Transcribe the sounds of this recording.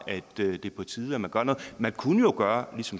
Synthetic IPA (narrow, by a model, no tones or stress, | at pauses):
ʔæd̥ød̥e̝pʰɒ̽t͡sʰiːðˠæmænɡ̥ɶɐnɔ̽ːð̩ˠmænkʰunəjo̝ɡ̥ɶːɐlisɒ̽m